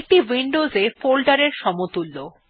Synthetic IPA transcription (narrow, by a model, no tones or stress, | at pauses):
k̚ʈiwiɳɖozefolɖaɾeɾʃɔmot̪ulːo